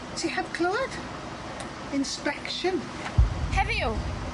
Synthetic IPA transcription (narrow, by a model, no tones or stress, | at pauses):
sʰihəv̥kʰl̥oəd̥ | ɪ̃nspɛkʃə̃n | hɛviu